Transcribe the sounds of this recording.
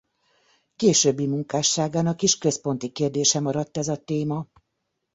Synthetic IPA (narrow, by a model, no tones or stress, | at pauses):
keːʃøːbːimuŋkaːʃːaːɡaːnɒkiʃkø̞spo̞nt̪ikeːrd̪eːʃɛmɒɾɒt̪ːɛzɒt̪eːmɒ